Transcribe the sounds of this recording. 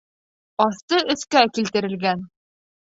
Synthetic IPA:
ɒθt̪ɤɵ̆θkækilt̪ɘ̆ɾɘ̆lɡæn

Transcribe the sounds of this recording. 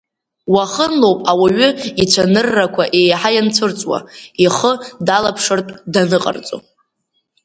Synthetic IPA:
waχənlowpʼawaɥʏit͡ʃʷʰanɨrːakʷʰaʔejħajant͡sʰɨrt͡sʼwa̰iχədalapʰʂɨrtʼdanɨqʼa̰rt͡sʼo̰

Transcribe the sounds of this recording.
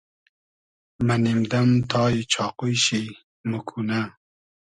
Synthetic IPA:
mɐnimd̪ɐmt̪ʰɑːjit͡ʃʰɑːqujʃi | mɨkʰunɐ

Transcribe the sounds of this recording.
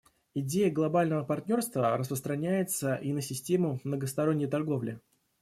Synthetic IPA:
ɪdʲejəɡlˠɐbalʲnəvəpɐrtʲnʲo̞rst̪vəɾəspɾəst̪ɾɐnʲæjɪt̪səʔinəsʲɪsʲtʲe̞mʊmnəɡəst̪ɐɾonʲːəjt̪ɐrɡo̞vlʲɪ

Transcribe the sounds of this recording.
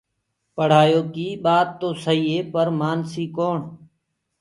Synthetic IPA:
pəɽ̤aːjoːkiːɓaːt̪ːoːsəɦiːeːpəɾmaːnsiːkoːɳ

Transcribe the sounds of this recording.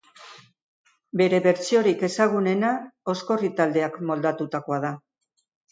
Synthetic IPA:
be̞ɾe̞βe̞ɾt͡sio̞ɾike̞saɣ̞une̞nao̞sko̞rit̪ald̪e̞akmo̞ld̪at̪ut̪ako̞að̞a

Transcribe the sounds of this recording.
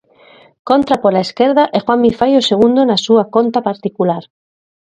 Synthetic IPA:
kont̪ɾapolaeskeɾðaʔexwammifajoseɣ̞und̪onasuakont̪apaɾt̪ikulaɾ

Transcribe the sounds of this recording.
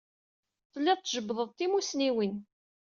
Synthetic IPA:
θəlːiðˤt̪ːʒəbːðˤəðˤt̪ːimusniwin

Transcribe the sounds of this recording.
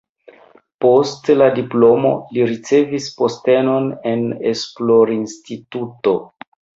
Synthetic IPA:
po̞stladiplo̞mo̞̰liɾit͡se̞vispo̞ste̞no̞ne̞nesplo̞ɾinstituto̞

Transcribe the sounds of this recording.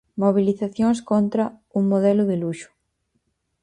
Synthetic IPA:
moβ̞iliθaθjoŋskont̪ɾɐuŋmoðɛlʊðɪluʃʊ̥

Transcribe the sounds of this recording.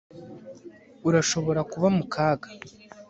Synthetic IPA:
uɾaʃo̞βo̞ɾakuβamukʰaːɡa

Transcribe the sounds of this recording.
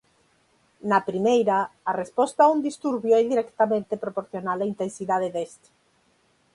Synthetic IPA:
nɐpɾimejɾaːrespɔst̪aaund̪ist̪uɾβjoɛðiɾɛkt̪amẽnt̪epɾopoɾθjonalaint̪ensiðaðeðest̪e̥

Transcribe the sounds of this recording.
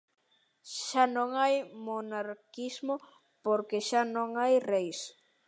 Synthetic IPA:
ʃanõŋajmonaɾkizmo | poɾkeʃanõŋajrejs

